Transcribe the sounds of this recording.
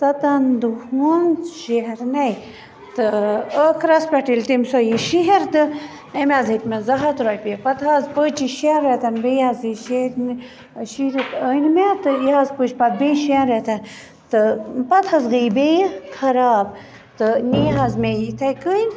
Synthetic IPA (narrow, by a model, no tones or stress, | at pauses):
t̪ɐt̪ɐnd̪uhunʃeɦeɾnɐj | t̪ɨəkʰɾɐspʲɐʈilt̪imsɔjiʃiɦeɾt̪ɨ | emʲaːzit̪mezɐɦɐt̪ɾɔːjpepɐt̪ʰɐzpət͡ʃiʃeɾet̪ʰɐnbejaziʃeɾn | ʃiɾit̪ənmet̪ɨjiɦazpət͡ʃpɐt̪̚biʃenɾet̪ʰɐn | t̪ɨpɐt̪ʰɐzɣibekʰɐɾaːb̚ | t̪ɨniɦazmejit̪ʰɐjkəjn